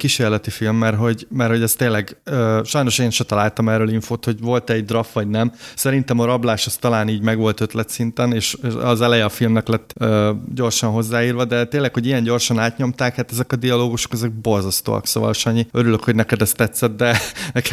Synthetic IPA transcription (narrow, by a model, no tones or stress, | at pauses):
kiʃeːrlɛt̪ifilmːɛrɦo̞ɟmɛrho̞ɟɛst̪eːlɛɡøːʃɒjno̞ʃeːnʃɛt̪ɒlaːlt̪ɒmɛːrøːliɱfoːt̪ho̞ɟvo̞lt̪ɛɟd̪rɒfʋɒɟnɛmsɛɾin̪t̪ɛmɒɾɒblaːʃɛst̪ɒlaːniːɟmɛɡʋo̞lt̪øt̪lɛt̪sint̪ɛneːʃɒ̰zɛlɛjɛɒfilmnɛklɛt̪ːøːɟo̞rʃɒnɦo̞zːaːjiːrvɒd̪ɛt̪eːlːɛkho̞ɟijɛɲɟo̞rʃɒnaːt̪ɲo̞mt̪aːkhaːt̪ɛzɛkɒd̪iɒloːɡuʃo̞̥kɛzɛɡ̚bo̞rzɒst̪o̰ːɒ̰kso̰ːvɒ̰leʃɒɲːiøɾyløkho̞ɟnɛkɛd̪ɛst̪ːɛt̪sːɛt̪d̪ɛnɛk